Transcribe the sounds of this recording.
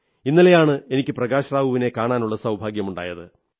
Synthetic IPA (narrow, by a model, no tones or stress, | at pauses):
inːilɐjaːɳɨe̞nikʲːɨprɐɣaːɕraːʋuʋine̞kaːɳaːnuɭːɐsɐwbʱaːɡjɐmuɳɖa̰ːjɐðɨ